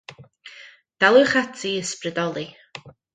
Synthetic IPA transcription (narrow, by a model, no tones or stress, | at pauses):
d̥alˠuχatʰiəsprɨdɔlˠi